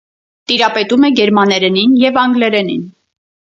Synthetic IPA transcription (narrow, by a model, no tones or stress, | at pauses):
t̪iɾɑpɛt̪umɛɡɛɾmɑnɛɾɛninjɛvɑŋɡlɛɾɛnḭn